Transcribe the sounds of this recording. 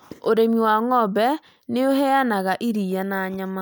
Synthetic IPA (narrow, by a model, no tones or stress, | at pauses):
oɾemiwaŋɔbɛ | neohɛanaɣaʔiɾijanaːɲama